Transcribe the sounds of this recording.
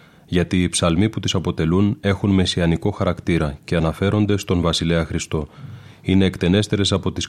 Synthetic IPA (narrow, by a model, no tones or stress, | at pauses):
ʝɐt̪iːpsɐlmiput̪isɐpo̞t̪e̞lune̞xunme̞siɐniko̞xɐɾɐkt̪iɾɐce̞ɐnɐfe̞ɾo̞nd̪e̞st̪o̞nvɐsile̞ɐxɾist̪o̞ine̞ːkt̪e̞ne̞st̪e̞ɾe̞sɐpo̞t̪is